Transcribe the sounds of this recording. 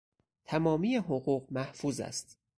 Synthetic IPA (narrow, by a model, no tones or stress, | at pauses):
t̪ʰæmɒːmiːjeɦoɣuːɢmæhfuːzæ̰st̪